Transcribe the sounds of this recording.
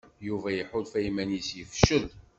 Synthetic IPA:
juvæjəħʊðfæjmænjisjəfə̥ʃːəð

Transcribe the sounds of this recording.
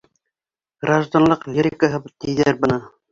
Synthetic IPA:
ɡraʒd̪anlˠɤqlʲiɾʲɪkəɦɤbt̪ijðæɾbɤ̆nɤ

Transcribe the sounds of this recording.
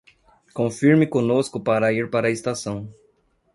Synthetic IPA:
kõfiɾmɪkõnoskʊpaɾɐiɾpaɾɐest̪asɐ̃w̃

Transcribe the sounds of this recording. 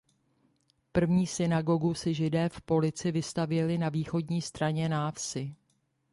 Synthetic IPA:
pr̩vɲiːsɪnaɡo̞ɡusɪʒɪdɛːfpo̞lɪt͡sɪvɪst̪avjɛlɪnaviːxo̞dɲiːst̪ɾaɲɛnaːfsɪ

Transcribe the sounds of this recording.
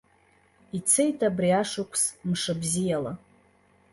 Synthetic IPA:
it͡sʰejtʰabriaʂɨkʷʰsmʂɨbzijala

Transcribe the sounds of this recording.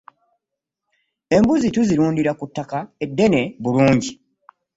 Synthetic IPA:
e̞mbuzituziɾuːndiɾakutːakae̞dːe̞ne̞βuluːɲɟi

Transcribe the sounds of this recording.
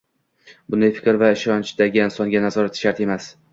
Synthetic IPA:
bʊnd̪ajfɪ̥kʲɾvaɪʃɒnt͡ʃd̪aɡʲɪɪnsɒŋɡʲanazɒɾat̪ʃaɾt̪e̞mas

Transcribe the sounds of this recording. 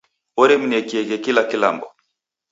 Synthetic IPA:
ɔɾɛminiɛkiɛkɛkilakila̰mbɔ

